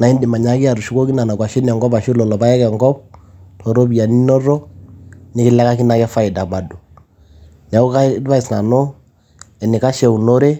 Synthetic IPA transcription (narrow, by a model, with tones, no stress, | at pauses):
na˨i˦ndɪ˨ma˨ɲa˦kɪ˦a˨ɾu˨ʃu˦ko˦kɪ˦na˨na˨kwa˨ʃɪ˦nɛ˨ŋɡɔ˦ba˨ʃɪ˦lɔ˨lɔ˨ba˦jɛ˦kɛ˨ŋɡɔ˦p̚tʰɔ˨ɾo˦bi˨a˨ni˦nɔ˦ɾɔ˦ | nɪ˦kɪ˦lɛ˦ka˦kɪ˦na˨kɛ˦fa˦ɪ˨da˨ba˨dɔ˨ | n˨a˨u˦ka˦ba˦ɪ˨sna˨nɔ˦ | ɛ˨nɪ˨ka˦ʃɛ˦u˨no˦ɾe˦